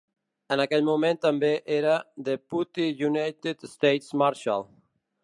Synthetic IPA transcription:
ənakɛʎmumẽnt̪ambeʔeɾad̪əput̪ijunajt̪it̪st̪ejt̪smaɾʃa̰lˠ

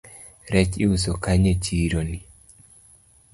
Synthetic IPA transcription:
ɾɛt͡ʃiusokaɲet͡ʃiɾoni

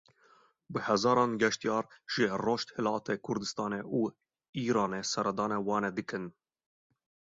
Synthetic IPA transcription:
bɨhɛzɑːɾɑːnɡɛʃt̪ijɑːɾʒ̥ɪroːʃt̪hɨlɑːt̪ʰɛkʰʊɾd̪ɨst̪ɑːneʔuː | iːɾɑːnesɛɾɛd̪ɑːnɛwɑːnɛd̪ɨkʰɨn

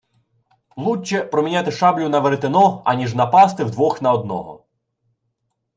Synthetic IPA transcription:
lˠut͡ʃːɛpɾɔmʲinʲat̪ɪʃɑblʲʊnɐʋeɾt̪enɔɐ̰nʲiʒnɐpɑst̪ɪwd̪ʋɔxnɐɔd̪̚nɔ̰ɦɔ̰

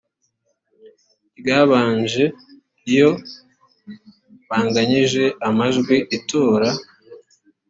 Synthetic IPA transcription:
iɡaβaːɲʒe̞ | ijo̞ | βaːŋɡaɲiʒe̞amaʒɡwiʔitʰoːɾa

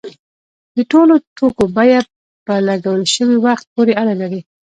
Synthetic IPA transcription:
d̪̥əʈolot̪ʰokobɑjad̪̚ | pəlaɡawəlʃəwiwaxt̪̚poɾeaɽalaɾi

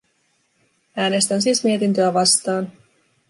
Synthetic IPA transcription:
æːne̞st̪ænsiːsmie̞t̪int̪øæʋɑst̪ɑːn

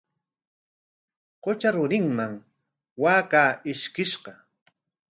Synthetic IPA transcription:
qot͡ʃaɾʊɾɪŋmaŋ | waːkaːɪʃkɪʃɢɑ

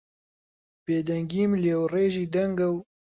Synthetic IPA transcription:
b̥eːd̪ɛŋɡiːmlɛwreːʒiːd̪ɐŋɡɐw

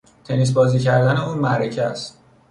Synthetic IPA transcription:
t̪ʰe̞nis̬bɒːziːcʰæɾd̪æneuːnmæɾecʰææst̪

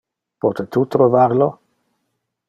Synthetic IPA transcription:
pɔt̪et̪ut̪ɾovaɾlo

